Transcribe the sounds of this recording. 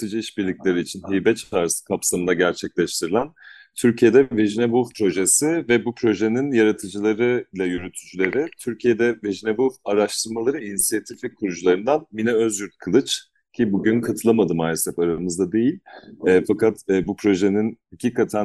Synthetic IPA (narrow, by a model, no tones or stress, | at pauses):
t̪ɯd͡ʒɯiʃbiɾlʲiclʲe̞ɾiːt͡ʃʰinɦijbɛt͡ʃʰt̪ʰaɾsɯ̥kʰapsamɯnaɟæɾt͡ʃʰɛclʲɛʃt̪ʰiɾilʲˠænt̪ʰyɾcʰije̞d̪ɛveʒinebuvpʰɾo̞ʒesivɛbupʰɾo̞ʒe̞ninjaɾat̪ʰɯd͡ʒɯlˠaɾɯlʲˠajyɾyt̪ʰyd͡ʒylʲe̞ɾɪt̪ʰyɾcʰije̞d̪ɛveʒinebuvaɾaʃt̪ʰɯɾmalˠaɾɯinisijat̪ʰiflʲikʰːuɾud͡ʒulˠaɾɯnd̪anminɛøzjyɾt̪̚kʰɯlˠɯt͡ʃ | cʰibuɟynkʰat̪ʰɯlˠamad̪ɯmaːlʲɛsɛpaɾamɯzd̪ad̪e̞jilʲɛːfakat̪ːbupʰɾo̞ʒe̞ninhacʰiːkʰat̪ʰæn